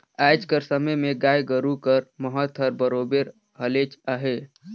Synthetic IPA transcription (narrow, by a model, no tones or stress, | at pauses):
aːd͡ʒkəɾsəməjmẽɡaːjɡəɾukəɾməɦət̪əɾbəɾoːbeɾ | ɦəleːt͡ʃaɦe